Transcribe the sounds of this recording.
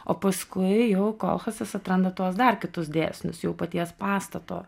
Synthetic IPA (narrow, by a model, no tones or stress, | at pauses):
o̰ːpɐskʊɪjɛʊko̰ːlˠxɐsɪsɐt̪ɾɐnd̪ɐt̪uɔsd̪ɐrkʲɪt̪ʊsd̪ʲḛːsʲnʲʊ̰sjɛʊpɐt̪ʲiɛspɑːst̪ɐt̪o̰ː